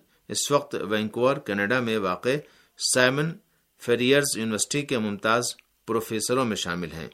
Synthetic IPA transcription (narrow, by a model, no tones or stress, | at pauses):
ɪ̰sʋɐq̚t̪ʋɛ̃ːŋkoːɾkɛːneːɖamẽʋaːqe | saːɪmə̃n | fʰeːɾijəɾzjuːnɪʋəɾsɪ̥ʈikemʊ̃mt̪aːz | pɾoːfʰeːsəɾõmẽʃa̰ːmɪlɦɛ̰̃ː